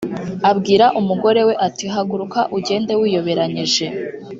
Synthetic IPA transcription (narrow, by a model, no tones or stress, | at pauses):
abɡiːɾaʔumuɡo̞ɾe̞we̞ʔatiɦaɡuɾukaʔuɟe̞ːnde̞wiːjo̞βe̞ɾaɲiʒe̞